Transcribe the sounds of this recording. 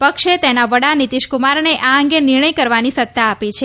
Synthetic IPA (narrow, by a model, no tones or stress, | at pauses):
pəkʃet̪enaʋəɽanit̪iʃkumaɾneʔaə̃ŋɡenɪɾɳ̃əjkəɾʋanisət̪ːaːpit͡ʃʰe